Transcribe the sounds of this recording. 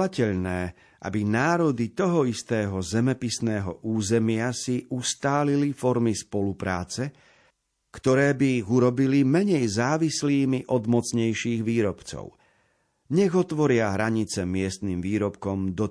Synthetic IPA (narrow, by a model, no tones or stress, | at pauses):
acɛʎnɛː | ʔa̰binaːɾɔd̪it̪ɔɦɔist̪ɛːɦɔzɛmɛpisnɛːɦɔ̰ʔuːzɛmɪasiʔust̪aːlilifɔɾmispɔlupɾa̰ːt͡sɛ | kt̪ɔɾɛːbiːɣuɾɔbilimɛɲɛjzaːʋisliːmiʔɔd̪mɔt͡sɲɛjʃiːɣʋiːɾɔpt͡sɔ̰ʊ | ɲɛɣɔt̪ʋɔɾɪaɦɾaɲit͡sɛmɪɛst̪niːmʋiːɾɔpkɔmd̪ɔ